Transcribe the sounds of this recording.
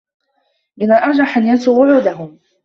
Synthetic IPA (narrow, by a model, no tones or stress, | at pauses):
mɪnalʔɑɾˤd͡ʒaħanjansuːwʊʕuːd̪aɦʊm